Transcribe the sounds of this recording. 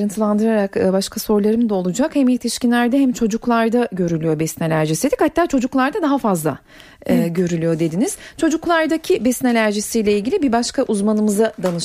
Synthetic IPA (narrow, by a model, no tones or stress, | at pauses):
ɾɯnt̪ʰɯlˠand̪ɯɾaɾakbaʃkʰaso̞ɾlˠaɾɯmd̪ɛo̞lˠud͡ʒakhɛmilt̪ʰiʃcinlʲæɾd̪ɛɦɛmt͡ʃʰo̞d͡ʒuklˠaɾd̪aɟø̞ɾylʲyjo̞bɛsnelʲæɾʒisied̪ʲichat̪ʰːaːt͡ʃʰo̞d͡ʒuklˠaɾd̪ad̪aɦafazlˠa̰ | ɯɟø̞ɾylʲyjo̞d̪e̞d̪iniz̥t͡ʃʰo̞d͡ʒuklˠaɾd̪acʰibɛsnelʲæɾʒisijlʲɛilʲɟilʲibibaʃkaʔuzmanɯmɯzad̪anɯʃ